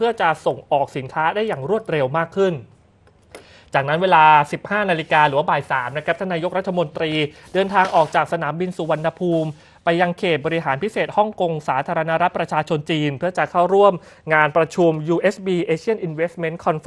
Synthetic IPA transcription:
pʰɯ˥˩ɐt͡ɕa˨˩so˨˩ŋʔɔː˨˩k̚si˩˦nkʰaː˦˥daː˥˩jːaː˨˩ŋɾu˥˩ət̪̚ɾe˧wmaː˥˩kʰːɯ˥˩n | t͡ɕaː˨˩k̚na˦˥nweː˧laː˧si˨˩p̚haː˥˩na˧li˧kaː˧ɾɯː˩˦wa˥baː˨˩jsaː˩˦mna˦˥kʰɾa˦˥t̪ʰa˥˩naː˧jo˦˥k̚ɾa˦˥t̪ʰːa˧mo˧nt̪ɾiː˧dɤː˧nt̪ʰaː˧ŋʔɔː˨˩k̚t͡ɕaː˨˩k̚sa˧naː˩˦mbi˧nsuː˨˦wa˧nːa˧pʰuː˧m | pa˧jːa˧ŋkʰeː˨˩t̪̚bɔː˧ɾi˦˥ɦaː˩˦npʰi˦˥seː˨˩t̪̚hɔ˥˩ŋko˧ŋsaː˩˦t̪ʰaː˧ɾa˧na˦˥ɾa˦˥t̪̚pɾa˧t͡ɕʰaː˧t͡ɕʰo˧nt͡ɕiː˧npʰɯ˥˩t͡ɕa˨˩kʰa˥˩wɾu˥˩əm | ŋaː˧npɾa˧t͡ɕʰu˧mjuː˧ʔe˦˥sbiː˧ʔeː˧t͡ɕʰi˥ənʔi˧nwe˦˥st̪̚me˦˥nkʰɔ˧nf

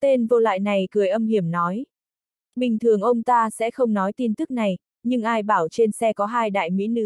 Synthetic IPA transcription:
t̪e˧nvo˧la̰ː˧˨jna˨˩jkɨ˨˩əjʔə˧mhi˧˩əmnɔ˨˦j | ɓï˨˩ŋ̟t̪ʰɨ˨˩əŋʔə˧wŋ͡mt̪aː˧sɛ̰˧˥xə˧wŋ͡mnɔ˨˦jt̪i˧nt̪ɨ˦˥k̚na˨˩j | ɲɨ˧ŋʔaː˧jɓaː˧˩wt͡ɕe˧nsɛ˧kɔ˨˦ɦaː˧jɗa̰ː˧˨jmḭ˧˥nɨ̰˧˥

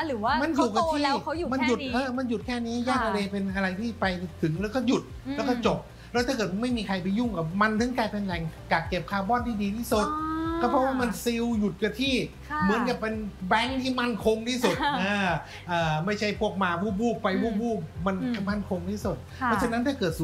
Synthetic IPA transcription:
ma˧njuː˨˩ka˧t̪ʰi˥˩˧ma˧nju˨˩t̪̚ʔɤː˧˩ma˧nju˨˩t̪̚kʰɛː˥˩niː˦˥jaː˥˩k̚t̪ʰa˧leː˧pe˧nʔa˧ɾa˧jt̪ʰiː˥˩pa˧jt̪ʰɯ˩˦ŋlɛː˦˥wkɔː˥˩ju˨˩t̪̚lɛː˦˥wkɔː˥˩t͡ɕo˨˩p̚ | lɛ˦˥t̪ʰa˥˩kɤː˨˩t̪̚ma˥˩jmiː˧kʰa˧jp̬ju˥˩ŋka˨˩ma˧nt̪ʰɯ˨˦ŋkaː˧jpe˧nlɛ˨˩ŋkaː˨˩kːe˨˩p̚kʰaː˧wbɔː˥˨nt̪ʰiː˥˩diː˧t̪ʰiː˥˩su˨˩t̪̚kɔː˧˩pʰɔ˦˥waː˥˩ma˧nsi˧wju˨˩t̪̚ka˧˩t̪ʰiː˥˩ | mɯ˩˦ənka˨˩pe˧nbɛ˦˥ŋt̪ʰiː˥˩ma˥˩nkʰo˧ŋt̪ʰiː˥˩su˨˩t̪ʔaː˧˩ | ʔaː˨˩ma˥˩jt͡ɕʰa˥˩jpʰu˥˩ək̚maː˧˩bʰuː˥˩buː˥˩pa˧jbuː˥˩buː˥˩ma˧nkma˥˩nkʰo˧ŋtʰiː˥˩su˨˩t̪̚ | pʰɔ˦˥˩t͡ɕʰa˧na˦˥t̪ʰaː˥˩kɤː˨˩t̪̚su˨˩

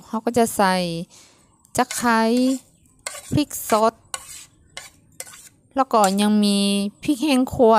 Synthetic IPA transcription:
ha˧˩wkɔː˧˩t͡ɕa˧˩ʔsa˧˩j | t͡ɕa˧˥kʰːa˧˥j | pʰi˧˥k̚sɔ˧˥t̪̚ | lɛː˧˩wkɔː˧˩ɲa˧ŋmiː˧pʰi˧˥k̚hɛː˧˨ŋkʰu˧ə

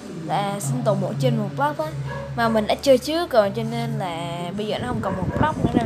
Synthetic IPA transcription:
la̰ː˧˨˩si˧ŋt̪o˨˩mɓ̰nt͡ɕe˧nmu˨˩pla˦˥p̚ʔaː˨˧˦maː˨˩mï˨˩ɗa̰ː˧˥t͡ɕɨ˧ət͡ɕɨ˨˦kɔ˨˩t͡ɕɔ˧ne˧nlaː˨˩ɓə˧zəː˨˩nɔ˨˦hə˧wŋ͡mkɔ˨˩nmo˨˩n̚pla˦˥p̚n˧˦na˧˦

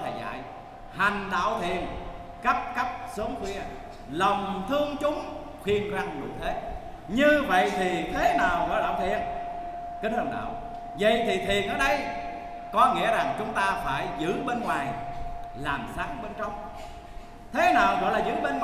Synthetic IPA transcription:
a˨˩jza̰ː˧˨j | ha˨˩ŋ̟ɗa̰ː˧˨wt̪ʰḭ˨˧˨ən | kə˦˥p̚kə˦˥p̚so˨˦ŋxwi˧ə | lə˨˩wŋ͡mt̪ʰɨ˧əŋt͡ɕʊ˨˦ŋ͡m | xwi˧ənkwaː˧ŋŋɨ˨˩əjt̪ʰe˨˦ | ɲɨ˧və̰˧˨jt̪ʰi˨˩t̪ʰe˨˦naː˨˩wɣɔ̰˧˨jɗa̰ː˧˨wt̪ʰḭ˧˨ən | kï˨˦ŋha˨˩nɗa̰ː˧˨w | və̰˧˨jt̪ʰi˨˩t̪ʰi˨˩ənʔəː˧˩ɗə˧j | kɔ˨˦ŋḭ˧˥əza˨˩ŋt͡ɕʊ˨˦ŋ͡mt̪aː˧faː˧˩jzɨ̰˧˥ɓe˧nŋwaː˨˩jlaː˨˩msaː˨˦ŋɓe˧nt͡ɕə˧wŋ͡m | t̪ʰe˨˦naː˨˩wɣɔ̰˧˨jlaː˨˩zɨ̰˧˥ɓe˧n

